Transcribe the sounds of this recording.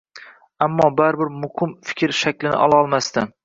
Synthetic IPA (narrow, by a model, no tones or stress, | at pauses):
amːɒbaɾbɪɾmʊhɪmfɪ̥kʲɾʃakʲlɪnɪ̰ʔɒ̰lˠaɒlˠmast̪ɪ